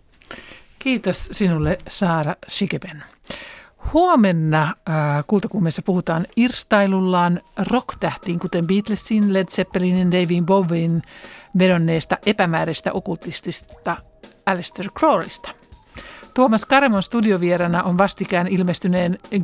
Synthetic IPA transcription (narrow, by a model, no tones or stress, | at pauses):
kiːt̪ossinulːesɑːɾɑʃikepen | huomenːɑkult̪ɑkuːmːeːsːæpuhut̪ɑːnirst̪ɑjlulːɑːnro̞kt̪æht̪iːŋkut̪embiːt̪lesːinled̪sepːelinindejʋiimboʋːinʋedo̞nːe̞ːst̪ɑʔe̞pæmæːɾest̪æ̰ʔo̞kult̪ːist̪ist̪ɑ | ælest̪erkroːlist̪ɑ̥ | t̪uomɑskɑɾemonst̪udioʋieɾɑnɑʔonʋɑst̪ikæːnilmest̪yneːn